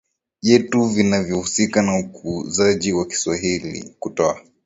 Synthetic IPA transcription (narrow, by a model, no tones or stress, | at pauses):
ʄɛtuvinavjɔhusikanaukuzaʄiwaki̥swaɦilḭkutɔa